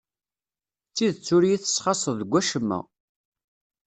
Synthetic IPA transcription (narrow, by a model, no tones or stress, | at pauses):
t͡sːiðt͡sːʊɾjiθə̥sχɑsˤəððəɡʷːæʃəmːæ̰